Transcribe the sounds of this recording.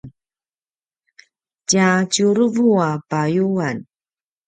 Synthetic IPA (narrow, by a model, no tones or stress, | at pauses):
n | cat͡ɕuɾəvuapajuan